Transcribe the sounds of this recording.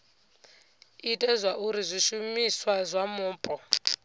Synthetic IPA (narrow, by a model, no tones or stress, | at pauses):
itʼɛzʷwaʔuɾizʷiʃumiswazʷamuːpʼɔ